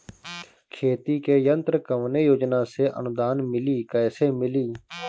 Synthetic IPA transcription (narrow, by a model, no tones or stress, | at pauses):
kʰeːt̪iːkeːjənt̪ɾəkəʋneːjoːd͡ʒnãːseːʔə̰nʊd̪aːnmɪliːkəːseːmɪliː